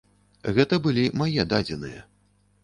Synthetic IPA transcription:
ɣɛt̪ɐbɨlʲimajɛd̪ad͡zʲɛnɨjɐ̰

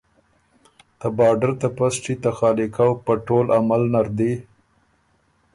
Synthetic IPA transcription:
t̪abɑɖaɾt̪apasʈ͡ʂit̪axɑlikawpəʈolamalnaɾd̪i

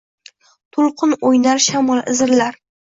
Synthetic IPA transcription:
t̪ʰʊlˠqʰɨnojnaɾʃamɒlˠɪ̰zɪɾlaɾ

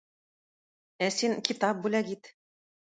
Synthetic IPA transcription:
æsinkit̪ɑp̚bulæɡit̪

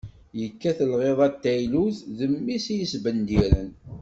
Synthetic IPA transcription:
jəkːæθəlʁeðˤɑt̪ːæjluzðəmːisijəsbənd̪iɾən

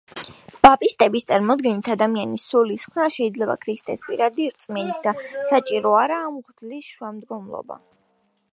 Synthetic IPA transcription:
b̥apʼist̪ʼɛbist̪sʼaɾmɔd̪ɡɛnit̪ʰad̪amianisulisχwnaʃɛid̪zlɛba̰kʰɾist̪ʼɛ̰spʼiɾad̪iɾt̪sʼmɛnit̪̚d̪asat͡ʃʼiɾɔaɾaːmʁd̪lisʃwamd̪ɡɔmlˠɔ̰ba̰

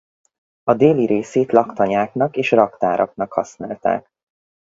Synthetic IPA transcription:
ɒd̪eːliɾʔeːseːt̪lɒkt̪ɒɲaːknɒkeːʃrɒkt̪aːɾʔɒ̰knɒkhɒ̰snaːlt̪a̰ːk

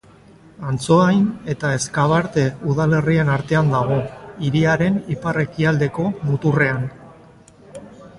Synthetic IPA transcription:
ant͡so̞ajne̞t̪ae̞skaβ̞aɾt̪e̞uðale̞rie̞naɾt̪e̞and̪aɣ̞o̞iɾiaɾe̞nipare̞kiald̪e̞ko̞mut̪ure̞an

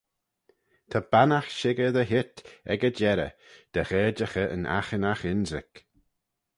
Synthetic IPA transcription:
t̪ʰab̥anaxʃɪɡəðəɦɪt̪ɛ̰ɡəd͡ʒɛɾə̰d̪̥əxɛːd͡ʒəxəʔə̰nʔa̰xənaxɪnzɪ̰k

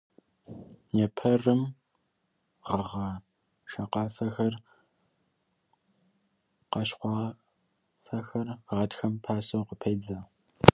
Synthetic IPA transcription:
jɛpʰɐrɨm | ʁəʁɐ | ʃɐqɑːfɐxɐr | qɑʃqʷɑː | fɐxɐrʁɐtxɐmpʰaːsɐwqəpʰɐjd͡zɐ

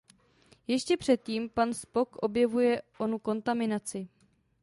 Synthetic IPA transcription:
jɛʃcɛpr̝̥ɛt̪̚ciːmpanspo̞kʔo̞bjɛvujɛʔo̞nuko̞nt̪amɪnat͡sɪ

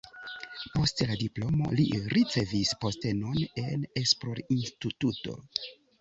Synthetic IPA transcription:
po̞stladiplo̞mo̞̰liɾit͡se̞vispo̞ste̞none̞nesplo̞ɾinstituto̞̰

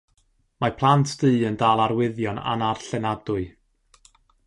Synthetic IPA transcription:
mapʰlˠantʰd̥ɨːəndaːlˠaɾwɪðjɔna̰narɬɛnadʊɨ

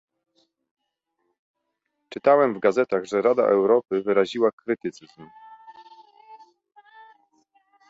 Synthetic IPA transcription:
t͡ʂɘt̪awɛmvɡazɛt̪aɣʐɛɾad̪a̰ʔɛwɾɔpɘvɘɾaʑiwakɾɘt̪ɘt̪sɘzm

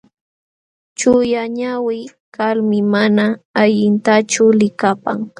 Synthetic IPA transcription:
t͡ʃʊjaɲawɪj | kalmɪmanaːʎɪnt̪at͡ʃʊlɪkapaŋ

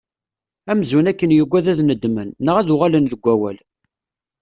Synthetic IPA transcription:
æmzunækːənjəɡʷːæðæðnəd̪mənːəʁæðʊʁalənðəɡʷːæwæl

